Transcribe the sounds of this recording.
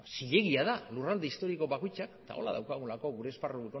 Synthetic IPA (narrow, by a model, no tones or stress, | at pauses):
siʎe̞ɣiað̞alurald̪eist̪o̞ɾiko̞βakojt͡ʃakt̪a̰o̞̰la̰ð̞a̰wkaɣulako̞ɣuɾe̞ːsparueko